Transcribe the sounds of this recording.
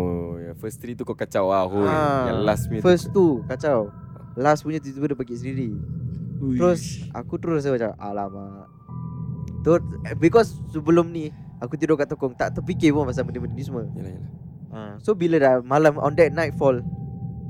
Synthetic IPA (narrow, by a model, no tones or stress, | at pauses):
ojafəst̪ɾit̪ukɔkat͡ʃawaɦoaalasmifəst̪ukat͡ʃawlaspuɲət̪̬it̪uədəpakiʔsədiɾi | t̪ɾosa̰kut̪ɾosaat͡ʃaʔa̰lama | t̪obikɔsːəbəlʊmniakut̪idokaʔt̪ɔkɔŋt̪aʔt̪əp̬ikɪpɔmas̬alməneməninĩs̬uməjla̰jla | asobilədamalamɔ̰̃ndɛt̪̚najt̚fɔl